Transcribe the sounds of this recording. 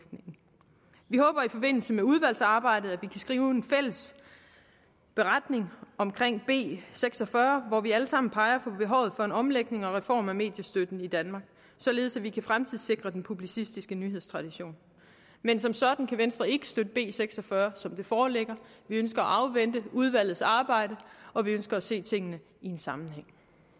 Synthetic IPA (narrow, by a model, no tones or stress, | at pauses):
neŋ̩ | ʋihɔ̽ːb̥ɐifɒ̽b̥e̝n̰l̩səmeuð̞ˠʋæl̰sɑ̈ːb̥ɑ̈ɪ̰d̥ð̩ˠæʋikʰæsɡ̥ʁiːʊe̝nfel̰əs | b̥e̝ʁad̥ne̝ŋɒ̽mkʰʁeŋ̰b̥e̝̰ːseɡ̥sɒ̽fɶɐʋɒʋiæləsɑ̈m̰n̩pʰɑ̈ɪɐfɒ̽b̥e̝ɦɒ̽ʊð̩ˠfɒ̽e̝nɒ̽mleɡ̥ne̝ŋɒ̽ʁɛfɒ̰ːmæme̝̰ːd̥jəsd̥ød̥n̩id̥ænmɑ̈ːɡ̥ | sɒ̽le̝ːð̞̩ˠsæʋikʰæfʁamt͡sʰið̰ˠse̝ɡ̥ʁɐd̥enpʰub̥lisisd̥isɡ̥ənyɦeð̰ˠst͡sʰʁɑ̈d̥iɕo̝̰ːn | mensɒ̽msɒ̽d̥n̩kʰæʋensd̥ʁɐe̝ɡ̥ə̥sd̥ød̥əb̥e̝̰ːseɡ̥sɒ̽fɶːɐsɒ̽md̥e̝fɒːleɡ̥ɐʋiøns̬ɡ̥ɐæʔɑ̈ʊʋen̰d̥əuð̞ˠʋæl̰ð̩ˠsɑ̈ːb̥ɑ̈ɪ̰ɾ̥əɒ̽ʋiønsɡ̥ɐæse̝̰ːt͡sʰe̝ŋ̰ənə | ie̝nsɑ̈mn̩ɦeŋ̰